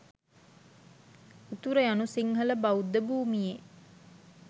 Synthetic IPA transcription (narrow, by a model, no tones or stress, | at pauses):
ut̪uɾəjanusiŋɦələbaud̪ːəbuːmije